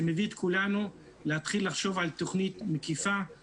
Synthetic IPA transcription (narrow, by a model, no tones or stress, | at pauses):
emevit̪kulanu | lehat̪χilːaχʃo̞valt̪o̞χnit̪mekifa